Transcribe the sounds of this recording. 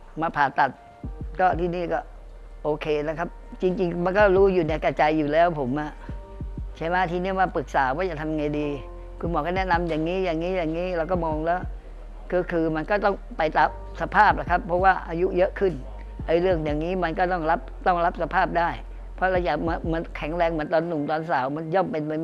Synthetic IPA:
maː˧pʰaː˨˩t̪ːa˨˩t̪̚ | kɔː˥˩t̪ʰiː˥˩niː˥˩kɔː˥˩ | ʔoː˧kʰeː˧na˦˥kʰa˦˥p̚t͡ɕi˧ŋt͡ɕi˧ŋma˧nkɔː˥˩ɾuː˦˥juː˨˩nɛː˧ka˧t͡ɕa˧jːuː˨˩lɛː˦˥wpʰo˩˦mʔa˨˩ʔ | t͡ɕʰa˧˩jma˦˥˩t̪ʰiː˧ni˥˩əmaː˧pɯ˨˩k̚saː˩˦waː˥˩t͡ɕa˨˩t̪ʰa˧mŋa˧jdiː˧ | kʰu˧nbɔː˨˩˦kɔː˥˩nɛ˦˥ʔna˧mjaː˨˩ŋːiː˦˥jaː˨˩ŋːiː˦˥jaː˨˩ŋːiː˦˥ɾa˧wkɔː˥˩mɔː˧ŋlɛː˦˥˩w | kɔː˧˩kʰɯː˧ma˧nkɔː˥˩t̪ɔ˥˩ŋpa˧jt̪a˨˩p̚sa˧pʰaː˥˩p̚la˨˩kʰa˦˥pʰːɔ˦˥waː˥˩ʔa˧ju˦˥jɤ˦˥ʔkʰɯ˥˩n | ʔa˧jɾɯ˥˩əŋjaː˨˩ŋːiː˦˥ma˧nkɔː˥˩t̪ɔ˥˩ŋɾa˦˥p̚t̪ɔ˥˩ŋɾa˦˥p̚sa˧pʰaː˥˩p̚daː˥˩j | pʰɔ˦˥ɾa˧wt͡ɕa˨˩m˧ma˧nkʰɛ˩˦ŋɾɛː˧ŋmɨː˨˩˦nt̪ɔː˧nːu˨˩mt̪ɔː˧nsaː˩˦wma˧njɔ˥˩mpe˧nma˧j

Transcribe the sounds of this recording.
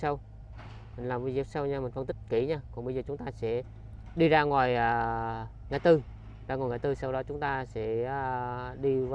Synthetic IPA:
sa˧w | mï˨˩ŋ̟laː˨˩mvi˧˦zi˨˦˥əp̚sa˧wɲaː˧mï˨˩fə˧nt̪i˦˥k̟̚ki˧˩ɲaː˧kɔ˨˧˩ŋɓə˧jzəː˨˩t͡ɕʊ˨˦ŋ͡mt̪aː˧sɛ̰˧˥ | ɗi˧zaː˧ŋwaː˨˩jʔaː˨˩ | ŋaː˧˩˦jt̪ɨ˧ | zaː˧ŋ˨˩jŋaː˨˩jt̪ɨ˧sa˧wɗɔ˨˦t͡ɕʊ˨˦ŋ͡mt̪aː˧sɛ̰ː˧˥˨ɗi˧v

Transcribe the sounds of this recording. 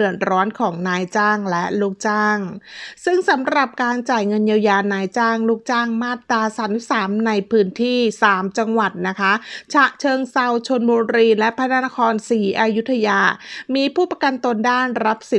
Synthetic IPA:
ɯ˨˩ət̪̚ɾɔː˦˥nkʰɔː˩˦ŋnaː˧jt͡ɕaː˥˩ŋlɛ˦˥ʔluː˥˩k̚t͡ɕaː˥˩ŋsɯ˥˩ŋsa˩˦mɾa˨˩p̚kaː˧nt͡ɕaː˨˩jŋɤ˧njaː˧wjaː˧naː˧jt͡ɕaː˥˩ŋluː˥˩k̚t͡ɕaː˥˩ŋmaː˥˩t̪ːɾaː˧saː˨˩˦nt̪ʰi˦˥saː˩˦mna˧jpʰɯː˦˥nt̪ʰiː˥˩saː˩˦mt͡ɕa˧ŋwa˨˩t̪̚na˦˥kʰa˦˥t͡ɕʰa˨˩ʔt͡ɕʰɤː˧ŋsa˧wt͡ɕʰo˧nboː˧nɾiː˧nlɛ˦˥ʔpʰa˦˥na˦˥na˦˥kʰɔː˧nsiː˩˦ʔa˧ju˦˥t̪ʰːa˧jaː˧miː˧pʰuː˥˩pa˧ka˧nt̪o˧ndaː˥˩nɾa˦˥p̚si˨˩

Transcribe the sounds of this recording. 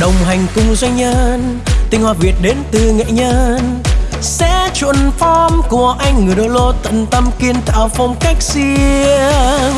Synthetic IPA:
ɗə˨˩wŋ͡mɦa˨˩jŋ̟kʊ˧ŋ͡mza˧jŋɲə˧nt̪ï˧ŋ̟hwaː˨˩vi˨˩ət̚ɗe˨˦nt̪ɨ˨˩ŋḛ˧˨ɲə˧nsɛ̰˧˥t͡ɕṵ˧˨ənfɔ˧mku˨˩əʔa˧jŋ̟ːɨ˨˩əjɗo˧˨˩lo˧t̪ə̰˧˨nt̪ə˧mki˧ənt̪a̰ː˧˨wfə˧wŋ͡mka˦˥jk̟̚si˧əəəəŋ

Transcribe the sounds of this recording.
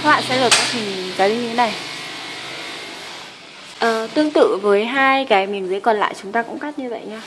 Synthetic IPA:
wa̰ː˧˨sɛ̰˧˥ləː˨˩t̚kaː˧˥k̚hï˨˩ŋ˨˩˨kaː˨˦zi˧ɲɨ˧e˨˦na˨˩j | ʔəː˨˩t̪ɨ˧əŋt̪ɨ̰˧˨vəː˨˦jɦaː˧jkaː˨˦jmi˨˩ənzi˨˦jkɔ˨˩nla̰ː˧˨jt͡ɕʊ˨˦ŋ͡mt̪aː˧kʊ̰˧˥ŋ͡mkaː˦˥t̚ɲɨ˧və̰˧˨jɲaː˧

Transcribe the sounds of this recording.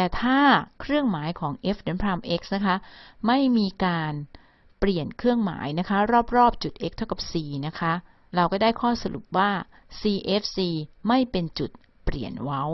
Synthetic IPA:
t̪ɛː˨˩t̪ʰaː˥˩kʰɾɯ˥˩əŋmaː˩˦jkʰɔː˩˦ŋʔe˦˥fde˩˦npʰɾaː˧mʔe˦˥k̚sna˦˥kʰa˦˥ma˥˩jmiː˧kaː˧n | pli˨˩ənkʰɾɯ˥˩əŋma̰ː˩˦jna˦˥kʰa˦˥ɾɔː˥˩p̚ɾɔː˥˩p̚t͡ɕu˨˩t̪̚ʔe˦˥k̚t̪ʰa˥˩wka˨˩p̚siː˨˩na˦˥kʰa˦˥ | ɾa˧wkɔː˥˩daː˥˩jkʰɔː˥˩sa˧ɾṵ˨˩p̚waː˥˩ | siː˧ʔe˦˥fsiː˧ma˥˩jpe˧nt͡ɕu˨˩t̪̚ | pli˨˩ənwa˦˥w

